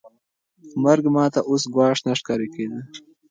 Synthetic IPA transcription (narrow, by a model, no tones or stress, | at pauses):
mɐɾɡmɑːt̪aʔusɡwɑːʂnɐʂkaɾikeːd̪ə